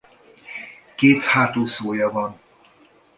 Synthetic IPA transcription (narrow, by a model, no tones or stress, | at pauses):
keːt̪haːt̪oːsoːjɒvɒn